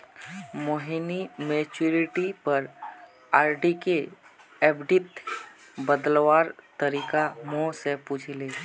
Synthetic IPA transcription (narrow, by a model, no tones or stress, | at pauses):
moːɦinimeːt͡ʃuɾɪʈipəɾ | aːɾɖike | ɛbɖɪt̪ | bəd̪lwaːɾt̪əɾiːkamõsepuːt͡ʃʰleː